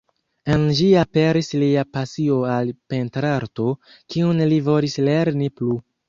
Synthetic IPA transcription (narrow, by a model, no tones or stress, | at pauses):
enliape̞ɾisliapasio̞alpe̞ntɾaɾto̞ | kiunlivo̞lisle̞ɾniplu